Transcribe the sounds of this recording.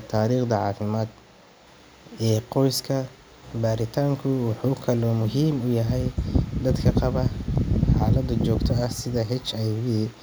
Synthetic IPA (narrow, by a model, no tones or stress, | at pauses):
t̪ʰaːɾiːχd̪ɐʕɑːfɪmaːd̪ | ɛːqɔjskʰɐ | baːɾɪt̪ʰaːŋkʰʊwɑħuːkʰɐlɔːmʊɦiːmʊjɐɦɛjd̪ɐd̪kʰɐqɑβɐħaːlɐd̪ɐt͡ʃɔːɡt̪ʰɔɐsɪðɐɦɛt͡ʃɛjβɪ